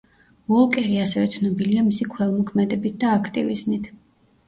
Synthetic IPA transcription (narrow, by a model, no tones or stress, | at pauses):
vɔlˠkʼɛɾiasɛvɛt̪sʰnɔbiliamisikʰwɛlˠmɔkʰmɛd̪ɛbit̪̚d̪aːkʰt̪ʼivizmit̪ʰ